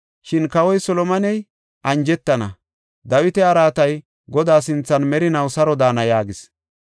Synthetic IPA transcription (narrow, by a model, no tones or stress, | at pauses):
ʃɪnkɐwɔjsɔlɔmɐnɛj | ʔɐnd͡ʒɛt̪ːɐnɐ̰ | d̪ɐwɪt̪ɛɐɾaːt̪ɐj | ɡɔd̪aːsɪnt͡sːɐnmɛɾɪnɐwsɐɾɔd̪aːnɐjaːɡɪs